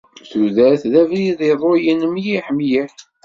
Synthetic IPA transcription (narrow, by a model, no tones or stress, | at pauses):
θuðæɾθðævɾiðˤiðˤojənəmjiħmjiħ